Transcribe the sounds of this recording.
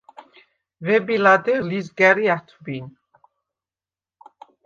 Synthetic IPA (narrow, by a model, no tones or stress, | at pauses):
vɛbilad̪ɛlizɡɛɾiat̪ʰbin